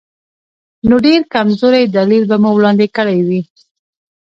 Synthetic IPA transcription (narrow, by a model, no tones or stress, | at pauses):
noɖeɾkamzoɾajd̪alilbamuwɽɑnd̪ɪkəɽajwi